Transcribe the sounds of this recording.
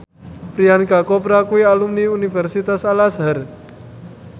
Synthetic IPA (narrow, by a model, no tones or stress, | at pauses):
pɾiankakɔpɾakuialumniunifɛrsit̪asalasɦar